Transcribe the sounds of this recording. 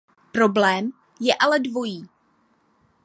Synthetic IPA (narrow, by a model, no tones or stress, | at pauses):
pɾo̞blɛːm | jɛʔalɛdvo̞jiː